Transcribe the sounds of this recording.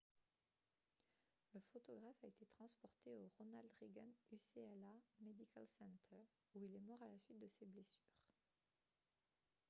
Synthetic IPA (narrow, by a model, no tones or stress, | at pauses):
ləfot̪ɔɡʁafaet̪et̪χɑ̃spɔʁt̪eoʁonald̪ʁeɡanyseɛlamed̪ikalsɛ̃nt̪ʰœʁ | uilɛmɔʁalasɥit̪̚d̪əseblesyːʁ